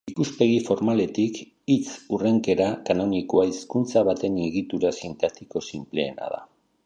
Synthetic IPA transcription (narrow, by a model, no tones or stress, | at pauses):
ikuspe̞ɣ̞ifo̞ɾmale̞t̪ik | it͡sure̞ŋke̞ɾakano̞nikoaiskunt͡saβ̞at̪e̞niɣit̪uɾasint̪at̪iko̞simple̞̰ːna̰ða̰